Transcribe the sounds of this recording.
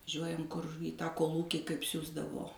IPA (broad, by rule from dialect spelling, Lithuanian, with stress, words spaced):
ˈʒʲuɔjɛm kʊr iː tɑː koːlˠˈuːkʲiː kɐɪp ˈsʲuːzdɐʋoː